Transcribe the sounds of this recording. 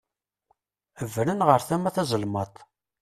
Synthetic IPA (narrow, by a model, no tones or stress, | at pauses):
əvɾənʁəɾθæmæθæzˤəlmɑt̪ˤ